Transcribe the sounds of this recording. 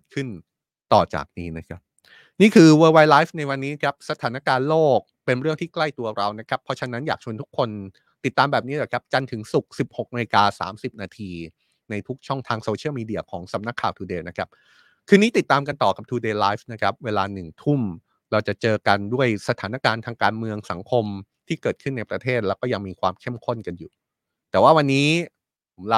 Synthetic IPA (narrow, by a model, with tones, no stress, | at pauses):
kʰɯ˥˩n | t̪ɔ̰ː˨˩t͡ɕa̰ː˨˩k̚niː˦˥na˦˥kʰa˦˥p̚ | niː˥˩kʰɯː˧wəː˧wa˧jlaː˦˥fna˧jwa˧nːiː˦˥kʰa˦˥p̚sa˧t̪ʰaː˩˦naː˧˥˩kaː˧nloː˥˩k̚pe˧nɾɯ˥˩əŋt̪ʰiː˥˩kla˥˩jt̪u˧ɐɾa˧wna˦˥kʰa˦˥pʰːɔ˧t͡ɕʰa˧na˦˥njaː˨˩k̚t͡ɕʰu˧nt̪ʰu˦˥kʰːo˧n | t̪i˨˩t̪ːaː˧mbɛː˨˩p̚niː˦˥lɔː˨˩kʰa˦˥p̚t͡ɕa˧nt̪ʰɯ˩˦ŋsu˨˩k̚si˨˩p̚ho˨˩k̚maː˧kaː˧sa̰ː˩˦msi˨˩p̚naː˧t̪ʰiː˧ | na˧jt̪ʰu˦˥k̚t͡ɕʰɔ˥˩ŋt̪ʰaː˧ŋsoː˧t͡ɕʰi˥˩wmiː˧di˧ɐkʰɔː˩˦ŋsa˨˩˦mna˦˥kʰːaː˨˩wt̪ʰuː˧deː˧na˦˥kʰa˦˥p̚ | kʰɯː˧niː˦˥t̪i˨˩t̪ːaː˧mka˧nt̪ɔː˨˩ka˨˩t̪ʰuː˧deː˧laː˦˥fna˦˥kʰɾa˦˥p̚weː˧laː˧nɯ˨˩ŋt̪ʰu˥˩m | ɾa˧wt͡ɕa˨˩t͡ɕɤː˧ka˧ndu˥˩əjsa˧t̪ʰaː˩˦na˦˥kaː˧nt̪ʰaː˧ŋkaː˧nmɯ˧əŋsa˩˦ŋkʰo˧mt̪ʰiː˥˩kɤː˨˩t̪̚kʰɯ˥˩nːa˧jpɾa˧t̪ʰeː˥˩t̪̚lɛ˦˥wkɔː˥˩ja˧ŋmiː˧kʰwaː˧mkʰe˥˩mkʰo˥˩nka˧njuː˨˩ | t̪ɛː˨˩waː˥˩wa˧nːiː˦˥ | pʰo˩˦mla˦˥